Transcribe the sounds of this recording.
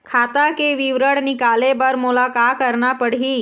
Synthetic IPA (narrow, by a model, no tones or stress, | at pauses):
kʰat̪akeʋiʋɾəɽnikalebəɾmulakakəɾnapəɽɦi